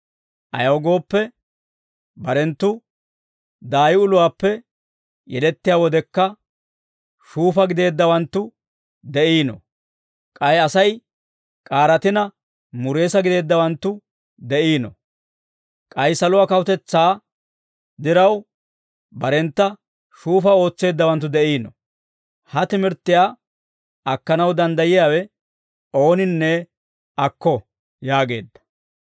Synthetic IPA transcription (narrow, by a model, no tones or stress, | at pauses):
ʔɐ̰jɐwɡo̞ːpːɛ | bɐɾɛnt̪ːʊ | d̪aːjɪʊlʊwaːpːɛ | jɛlɛt̪ːɪjaːwɔd̪ɛkːɐ | ʃuːfɐɡɪd̪e̞ːd̪ːɐwɐnt̪ːʊ | d̪ɛʔiːnɔ̰ | kʼɐjɐsɐj | kʼaːɾɐt̪ɪnɐ | mʊɾe̞ːsɐɡɪd̪e̞ːd̪ːɐwɐnt̪ːʊ | d̪ɛʔiːnɔ̰ | kʼɐjsɐlʊwaːkɐwʊt̪ɛt͡sːaː | d̪ɪɾɐw | bɐɾɛnt̪ːɐ | ʃuːfɐo̞ːt͡sːe̞ːd̪ːɐwɐnt̪̬ːʊd̪ɛʔiːnɔ̰ | hɐt̪ɪmɪɾt̪ːɪjaː | ɐkːɐnɐwd̪ɐnd̪ɐjɪjaːwɛ | o̞ːnɪnːɛ | ɐkːɔ | jaːɡe̞ːd̪ːɐ̥